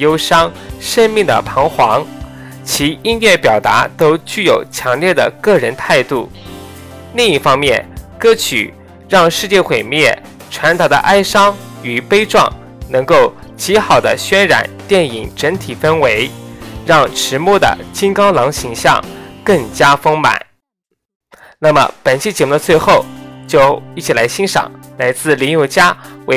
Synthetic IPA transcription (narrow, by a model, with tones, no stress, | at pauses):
jo˥ʊʂɑ˥ŋʂə˥nmi˥˩ŋd̪ə̰˩pʰɑ˧˥ŋxwɑ˧˥ŋ | t͡ɕʰi˧˥i˥nɥɛ˥˩pjɑ˨˩ʊt̪a˧˥t̪o˥ʊt͡ɕy˥˩jo˨˩ʊt͡ɕʰjɑ˧˥ŋljɛ˥˩d̪ə̰˩kɤ˥˩ɻə˧˥nt̪ʰa˥˧ɪt̪u˥˩ | li˥˧ŋi˥˩fɑ˥ŋmjɛ˥˩nkɤ˥t͡ɕʰy̰˨˩ | ɻɑ˥˧ŋʂɻ̩˥˧t͡ɕjɛ˥˩xwe˨˩ɪmjɛ˥˩ | ʈ͡ʂʰwa˧˥nt̪ɑ˨˩ʊd̪ə̰˧ʔa˥ɪʂɑ˥ŋ | y˨˩pe˥ɪʈ͡ʂwɑ̰˥˩ŋ | nɤ˧˥ŋko˥˩ʊ | t͡ɕi˧˥xɑ˨˩ʊd̪ə˦ɕɥɛ˥nɻa̰˨˩˦nt̪jɛ˥˩ni˨˩ŋʈ͡ʂə˧˥nt̪ʰi˨˩fə˥nwe˧˥ɪɻɑ˥˩ŋʈ͡ʂʰɻ̩˧˥mwɔ˥˩d̪ə̰˩t͡ɕi˥ŋkɑ˥ʊlɑ˧˥ŋɕi˧˥ŋɕjɑ̰˥˧ŋkɤ˥˩ŋt͡ɕja˥fɤ˥ŋma̰˨˩˦ | na˥˩mə̰˩pə˨˩nt͡ɕʰi˥˩t͡ɕjɛ˧˥mu˥˩d̪ə˧t͡swe˥˧ɪxo˥˩ʊt͡ɕjo˥˧ʊi˥˩t͡ɕʰi˨˩la˧˥ɪɕi˥nʂɑ̰˨˩˦ŋla˧˥ɪt͡sɹ̩˥˩li˧˥njo˧˩ʊt͡ɕja˥we˧˥